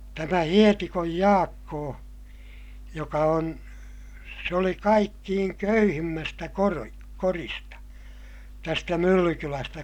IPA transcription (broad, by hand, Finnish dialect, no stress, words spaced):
tæmæ hietikoj jɑːkːoː jokɑ on se oli kɑikːiːŋ køyhimːæstæ koro koristɑ tæstæ mylːykylæstæ